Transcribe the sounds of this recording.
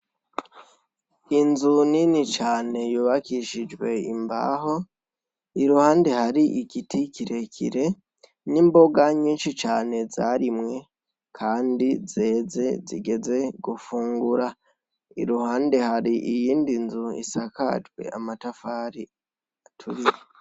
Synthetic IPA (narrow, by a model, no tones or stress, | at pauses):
inzuninit͡ʃaːne̞juβakiʃid͡ʒɡwe̞imba̰ːho̞ | iɾuhaːnde̞haɾiʔikitʰikiɾe̞kʰḭɾe̞ | nimbo̞ɡaɲiːnʃit͡ʃaːne̞zaɾimŋe̞ | kʰaːndize̞ːze̞ziɡe̞ze̞ɡufuːŋɡuɾa | ḭɾuhaːnde̞haɾiʔijiːndinzuḭsaka̰d͡ʒɡwe̞̰ʔamatafaːɾi | atʰuɾije